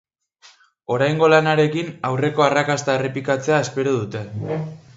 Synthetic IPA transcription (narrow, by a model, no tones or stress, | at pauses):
o̞ɾajŋɡo̞lanaɾe̞kinawre̞ko̞arakast̪aerepikat͡se̞ae̞spe̞ɾoðut̪e̞